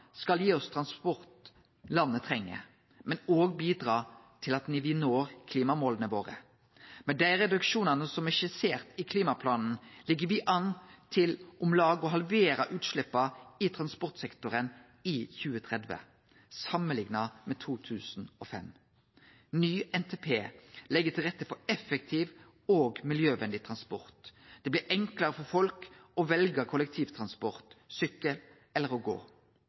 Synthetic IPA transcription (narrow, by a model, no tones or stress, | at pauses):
skɑljiːɔst̪ʰɾɑnspɔɾt̪ | lɑnːət̪ʰʁɛŋːə̰ | mɛnoːɡbiːd̪ʁɑːt̪ʰɪlɑt̪nɪʋɪnoːɾkʰliːmɑmoːlənəʋoːʁə̰ | mɛd̪æɪʁɛd̪ʉkʃuːnɑnəsɔmɛʃɪseːʁt̪ɪkʰliːmɑpʰlɑːnn̩lɪɡːəʋɪʔɑnːt̪ʰɪlʔʊmlɑːɡəɔɦɑlʋeːɾɑʔʉːt̪ʃlɪpːɑɪt̪ʰɾɑnspɔʁt̪sɛkt̪ʊɾən | içʉːət̪ʰʁɛd̪ʋə̰ | sɑməlɪŋnɑmɛt̪ʰuːt̪ʰʉːsn̩ofɛm | nyːʔɛnt̪ʰeːpʰeːlɛɡːət̪ʰɪlʁɛt̪ːəfɔɾɛfɛk̚t̪ʰiːʋ | oːɡmɪljøːʋɛnd̪ɪt̪ʰʁɑnspɔʁt̪d̪̥ɛːblːɾɛŋklɑɾəfɔʁfɔlkɔʋɛlɡəɾkʰʊlək̚t̪ʰiːʋt̪ʰʁɑnspɔʁt̪sʏkəl | ɛlːəʁɔɡo̰ː